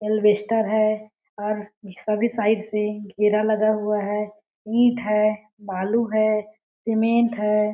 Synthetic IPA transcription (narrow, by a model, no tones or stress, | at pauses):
elbeːsʈəɾɦɛː | ɔːɾsəbʱisaːɪɖseɡʱeːɾalɐɡaɦʊaɦɛː | ĩːʈʰɦɛː | baːluɦɛː | sɪmẽʈɦɛː